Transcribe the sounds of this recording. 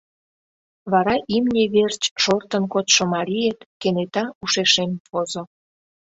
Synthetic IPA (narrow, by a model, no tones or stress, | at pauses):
βɑɾɑʔimnʲeβert͡ɕʃort̪ənkot̪ʃomɑɾʲijet̪kenet̪ɑuʃeʃemfozo